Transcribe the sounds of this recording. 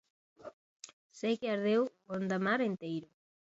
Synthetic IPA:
sejkeaɾðewond̪amaɾent̪ejɾʊ

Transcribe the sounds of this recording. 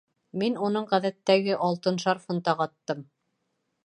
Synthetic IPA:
minunɤɴʁæðæt̪ːæɡɘʔɑlˠt̪ɤnʃɑɾfɤ̆nt̪ɑqɑt̪ːɤm

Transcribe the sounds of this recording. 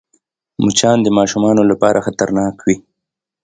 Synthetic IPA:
mut͡ʃɑnd̪əmɑʃumɑnolapɑɾʔaxat̪aɾnɑkwi

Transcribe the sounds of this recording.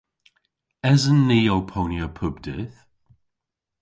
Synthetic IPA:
ɛzənːiːowpʰoːnjəpʰʊbdɪθ

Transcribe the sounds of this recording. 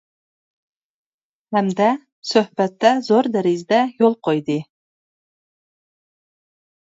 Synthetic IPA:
hæmd̪æ | sɵhbæt̪ːæzoɾd̪æɾizd̪æjolˠqʰojd̪ɨ

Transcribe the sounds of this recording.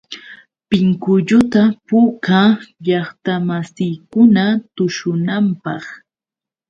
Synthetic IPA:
pɪŋkʊʎʊt̪apuːkaʎɑχt̪amasɪjkʊnat̪ʊʃʊnampɑχ

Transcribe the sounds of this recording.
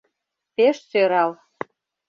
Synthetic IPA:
peʃsøɾɑl

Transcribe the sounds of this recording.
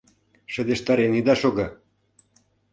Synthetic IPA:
ʃə̆d̪eʃt̪ɑɾenid̪ɑʃoɡɤ̆

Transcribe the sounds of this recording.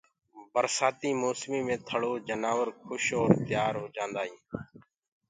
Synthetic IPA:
bəɾsaːt̪iːmoːsmiːmẽːt̪ʰəɽoːd͡ʒənaːʋəɾkʰʊʃoːɾt̪ɪjaːɾɦoːd͡ʒãːnd̪aːɦĩː

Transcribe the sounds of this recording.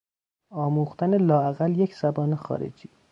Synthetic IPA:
ɒːmuːxt̪ænelɒːæɣælje̞cz̥æbɒːnexɒ̰ːɾḛd͡ʒiː

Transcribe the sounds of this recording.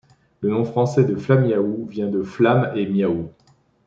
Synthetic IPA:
lənɔ̃fχɑ̃sɛd̪əflamjauvjɛ̃d̪əflamemjau

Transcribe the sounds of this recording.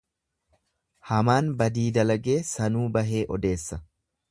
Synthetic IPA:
hɐmaːnbɐd̪iːd̪ɐlɐɡeːsɐnuːbɐɦe̞ːʔɔd̪e̞ːsːɐ

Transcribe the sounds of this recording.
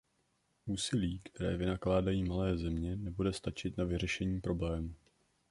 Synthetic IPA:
ʔuːsɪliːkt̪ɛɾɛːvɪnaklaːdajiːmalɛːzɛmɲɛnɛbudɛst̪at͡ʃɪt̪navɪr̝ɛʃɛɲiːpɾo̞blɛːmuː

